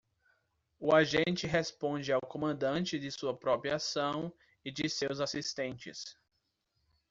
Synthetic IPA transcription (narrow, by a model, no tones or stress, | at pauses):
ʊaʒẽnt͡ʃɪɦespõd͡ʒɪawkõmɐ̃nd̪ɐ̃nt͡ʃɪd̪ɪsuɐpɾɔpɾiɐasɐ̃w̃ | ɪd͡ʒɪsewzasist̪ẽnt͡ʃɪ̰s